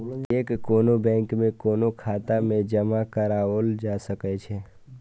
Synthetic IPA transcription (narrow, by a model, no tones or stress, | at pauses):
eːkːoːnobɛ̃ːŋkmẽkoːnokʰaːt̪amẽd͡ʒɐmakəɾaːoːld͡ʒaːsəkɛt͡ʃʰe